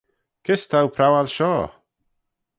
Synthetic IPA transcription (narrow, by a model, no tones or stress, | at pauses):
kʰɪst̪ʰawpʰɾawalʃɔː